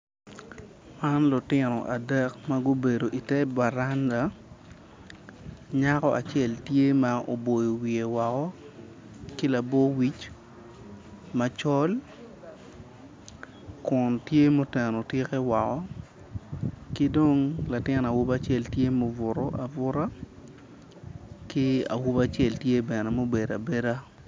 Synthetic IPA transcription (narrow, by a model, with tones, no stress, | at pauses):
ma˦nlʊ˨tɪ˨nɔ̰˨ʔa˨dɛ˦kma˦ɡo˦be˨do˨ʔi˨tɛ˦ba˨ɾa˦nda˨ | ɲa˦kɔ˦ʔa̰˨t͡ʃɛ˦˨ltje˦ma˦ʔo̰˨bo˨jo˨wi˨e˨wɔ˨kɔ˦ | ki˦la˨bɔ˦wi˦t͡ʃ | ma˨t͡ʃɔ˦l | kʊ˨ntje˦mo˦tɛ˨no˨tje˦kɛ˦wa˨kɔ˦ | kɪ˦do˦ŋla˨tɪ˦na˨wu˦ba˦t͡ʃɛ˦˨ltje˦mo˦vʊ˨ɾɔ˦ʔa˨vʊ˦ɾa˦ | kɪ˦a̰˨wu˦ba˦t͡ʃjɛ˦˨ltje˦bɛ˨nɛ˨mo˦be˨da˨be˦ɾa˦